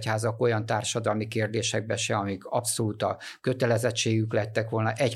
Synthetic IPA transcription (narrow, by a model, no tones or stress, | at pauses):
chaːzɒko̞jɒnt̪aːrʃɒd̪ɒlmikeːrd̪eːʃɛɡ̚bɛʃɛɒmikʰɒpsolut̪ɒkøt̪ɛlɛzɛt͡ʃːeːɡyklɛɛt̪ːɛkʋo̞lnɒʔɛc